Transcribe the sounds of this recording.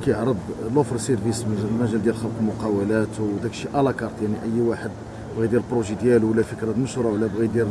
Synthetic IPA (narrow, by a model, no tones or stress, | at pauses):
kæjəʕɾˤəblofɾsiɾvismæʒæld̪jælxəlqlmʊqɑwəlæt̪wd̪ækʃiʔælɑkɑɾˤt̪ˤjaʕniʔəjːwaħəd̪ | bɣid̪jælbɾoʒid̪jælwəlːæfəkɾɑməʃɾˤɑwlːæbɣid̪jæl